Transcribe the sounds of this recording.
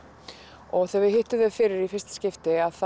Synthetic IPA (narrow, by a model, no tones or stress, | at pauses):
ɔɣθɛvɪɦɪht̪ʏðœðfɪːɾɪɾifɪɾ̥st̪ɪ̥scɪft̪ɪaðθ